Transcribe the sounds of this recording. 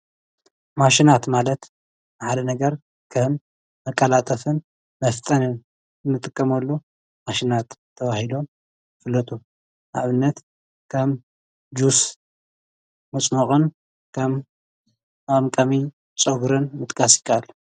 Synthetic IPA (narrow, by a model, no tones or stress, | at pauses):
maʃinat̪malɐt̪ | bħad̪ɐnɐɡɐɾ | kʰɐmː | ɐkʼːɐlat̪ʼɐfɨn | mɐft̪ʼɐnɨn | nːɨt̪ʼɨkʼːɐmɐlːo | maʃinat̪ʰːɐβahilo̞m | fɨlːɐt̪ʰʼu | ʔa̰βɨnːɐt̪ | kʰɐm | d͡ʒus | mɨt͡sʼmoχʼɨn | kʰɐm | amkʼɐmi | t͡sʼoɡɾɨnmɨt̪ʼkʼasjɪ̥kʰːaalːu